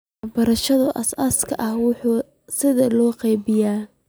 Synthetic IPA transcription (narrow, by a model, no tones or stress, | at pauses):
bɐɾɐʃɐðʊʔɐsɐskʰɐʔɐhwʊħuː | sɪðɐlɔːqɑjbɪjaː